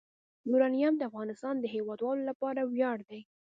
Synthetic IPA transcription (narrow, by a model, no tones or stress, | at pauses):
d̪uɾɑnijamd̪əafɣɑnɪst̪ɑnd̪əɦewɑd̪wɑlolapɑɾawjɑɽd̪aj